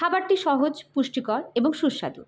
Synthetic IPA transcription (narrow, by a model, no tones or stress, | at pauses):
abaɾʈiʃɔɦod͡ʑpuʃʈikɔɾeboŋʃuʃːa̰d̪ṵ